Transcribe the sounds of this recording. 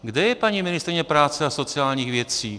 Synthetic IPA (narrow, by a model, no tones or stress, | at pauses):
ɡd̪ɛjɛpaɲimɪnɪst̪ɾɪɲɛpɾaːt͡sɛasot͡sɪaːlɲiːɣvjɛt͡siː